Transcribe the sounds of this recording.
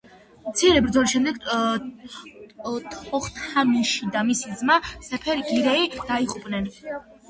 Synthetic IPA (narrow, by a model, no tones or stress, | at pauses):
mt̪sʰiɾɛbɾd̪zɔliʃɛmd̪ɛɡ | t̪ʰɔχt̪ʰamiʃid̪amisid̪zmasɛpʰɛɾiɡiɾɛid̪̥aiʁʼupʼnɛn